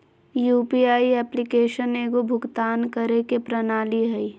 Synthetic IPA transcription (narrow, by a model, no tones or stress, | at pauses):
juːpiaːiɛːplɪkeːʃəneːɡobʱʊɡt̪aːnkɐɾekepɾɐnaːliɦɛi